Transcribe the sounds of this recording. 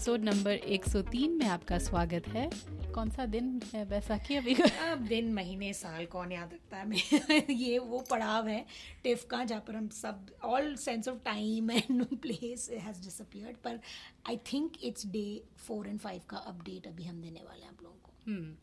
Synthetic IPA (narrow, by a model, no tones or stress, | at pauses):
ɪsoːɖnɐ̃mbəɾeːksɔt̪iːnmẽaːpkaswaːɡət̪ɦɛːkɔːnsad̪ɪnɦɛʋɛːsakiɐbʱiɐb̚d̪ɪnmɐɦiːnesaːlkɔːnjaːd̪ɾɐk̚t̪aɦɛmeːɾjeʋopɐɽaːʋɦɛʈɪfkãd͡ʒɐɦãpɐɾɦɐ̃msɐb̚ɔːlsɛ̃ːnsɔʋʈãɪ̃mɛ̃nːũːnpleːsɪɦɛzɖɪsəpiəɾɖpɐɾaːɪt̪ʰɪ̃ŋkɪʈsɖeː | foːɾɛ̃ɳɖfaɪʋkaʔɐpɖeːʈɐbʱiɦɐ̃md̪eːnḛʋa̰ːlḛɦɛ̃a̰ːploːɡõkoɦː